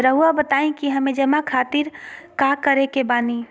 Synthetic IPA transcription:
ɾəɦuabət̪aĩkiɦəmẽd͡ʒəmakʰat̪iɾkakəɾekebani

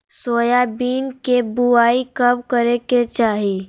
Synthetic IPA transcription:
soːjabiːnkebuaːikɐbkəɾeket͡ʃaːɦiː

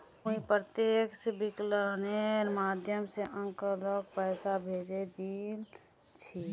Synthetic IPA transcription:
uĩpɾət̪eksebikləneɾmaːd̪ʱjəmseʔə̃ŋkəlok̚pɛːsabʱed͡ʒed̪il | t͡ʃʰi

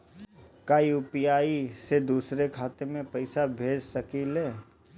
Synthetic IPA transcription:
kaːijupijaːised̪uːsɾekʰaːt̪emẽpɐɪsabʱeːd͡ʒsəkileː

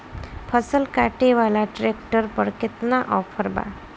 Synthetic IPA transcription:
pʰəsəlkaʈeʋalaʈɾekʈəɾpəɾkɪt̪naʔɔpʰəɾba̰

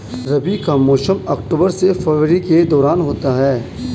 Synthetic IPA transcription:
ɾɐbikamɔːʃəmɐkʈuːbəɾsefeːʋɾiked̪ɔːɾaːnɦoːt̪aɦɛː

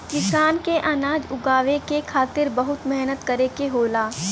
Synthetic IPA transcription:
kɪsaːnkeʔanaːd͡ʒʊɡaːʋekekʰaːt̪ɪɾbɐɦʊt̪mɛɦnət̪kɐɾekeɦoːlaː

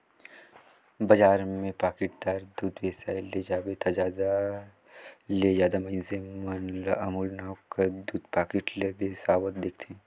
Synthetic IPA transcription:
bɐd͡ʒaːɾmẽpaːkɪʈ̚d̪aːɾd̪uːd̪ʋeːsaːɪled͡ʒaːbet̪ʰad͡ʒaːa | led͡ʒjaːd̪amɐinsemənlɐmuːlnaːwkəɾd̪uːd̪paːkɪʈlebesaːwət̪̚d̪eːkʰt̪ʰeɛ̃ː

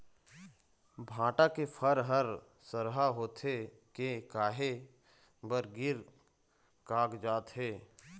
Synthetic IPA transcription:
bʱãːʈakepʰəɾɦəɾ | səɾɦaɦoːt̪e | kekaːɦe | bəɾɡɪɾ | kaːɡd͡ʒaːt̪ɦeː

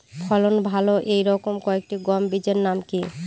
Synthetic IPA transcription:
pʰɔlonbʱaloʔejɾɔkomkɔek̚ʈiɡɔmbid͡ʑeɾnamki

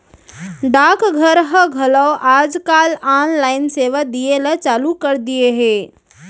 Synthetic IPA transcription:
ɖaːkɡʱəɾɦəɡʱɐlawʔaːd͡ʒkaːlaːnlaːɪnseːʋad̪ielat͡ʃaːlukəɾd̪ijeɦeː

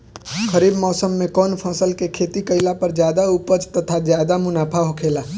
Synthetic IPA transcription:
xəɾiːbmɔːsəmːẽkɔːnpʰɔ̃ːsəlkekʰeːt̪ikəɪlapɐɾd͡ʒjaːd̪aupət͡ʃt̪ɐt̪ʰazjaːd̪amʊnaːpʰaɦokʰeːlaː

